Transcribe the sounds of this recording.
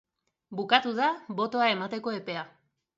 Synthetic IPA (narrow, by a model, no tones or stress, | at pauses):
bukat̪uðaβo̞t̪o̞ae̞mat̪e̞ko̞e̞pe̞a